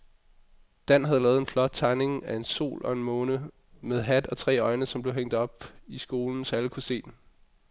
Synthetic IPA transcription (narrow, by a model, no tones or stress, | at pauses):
d̥æn̰ɦæð̞̩ˠlɛːð̞̩ˠenflɒ̽d̥̚t͡sʰɑ̈ɪne̝ŋæe̝nso̝̰ːlʔɒ̽e̝nmɔ̽ːnə | með̞̩ˠɦæd̥ɒ̽t͡sʰʁɛ̰ːɒ̽ɪnəsɒmb̥leɦeŋ̰d̥ɒ̽b̥isɡ̥o̝ːln̩sæləkʰuse̝̰ːd̥